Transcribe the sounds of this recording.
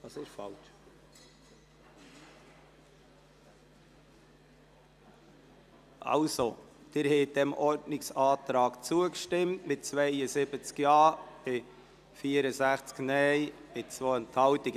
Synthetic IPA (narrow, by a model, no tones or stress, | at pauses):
ɑsɪʃfɑlt͡ʃ | ʔɑ̰lsod̪̥ɪɾhɛɪdɛmɔɾdnɪksɑːt̪ɾɑːkt͡suəkʃtɪmtmɪt̚t͡svɛɪəsɪbət͡skjɑːb̥ɪ | fiːəɾəsæχt͡sknɛɪb̥ɪt͡svoənthɑltɪɡ